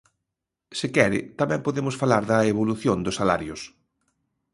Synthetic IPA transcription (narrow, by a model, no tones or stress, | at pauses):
sɪkɛɾɪ̰t̪amɛ̃mpoðemʊsfalaɾðɐeβoluθjond̪ʊsːala̰ɾjʊs